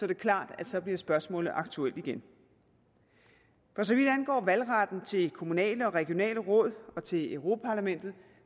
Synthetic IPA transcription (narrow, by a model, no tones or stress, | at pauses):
sɒ̽d̥e̝kʰlɑ̰̈ːd̥æd̥sɒ̽b̥liɐsb̥ɶɐsmɔ̰̽ːlð̩ˠɑ̈ɡ̥t͡sʰuel̰d̥iɡ̥en | fɒ̽s̬ɒ̽ʋid̥ænɡ̥ɒ̰ːʋælʁɑ̈d̥n̩t͡sʰe̝lkʰo̝munɛ̰ːləɒ̽ʁɛɡ̥jo̝nɛ̰ːləʁɔ̽ð̰ˠɒ̽t͡sʰe̝løʊʁo̝pʰæpʰɑ̈læmen̰d̥ð̞̩ˠ